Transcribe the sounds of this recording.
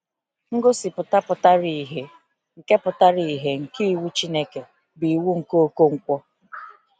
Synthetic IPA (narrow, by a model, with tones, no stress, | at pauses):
ŋ̩˦ɡo˦si˨pʊ˨ta˦pʊ˨ta˦ɾi˨ɦe˨ | ŋ̩˨ke˦pʊ˨ta˦ɾi˨i˨ɦe˨ŋ̩˨ki˦i˦˨wu˦t͡ʃi˦ne˦ke˨ | bi˨wu˦ŋ̩˨ko˦o˦ko˦ŋ̩˨kʷɔ˦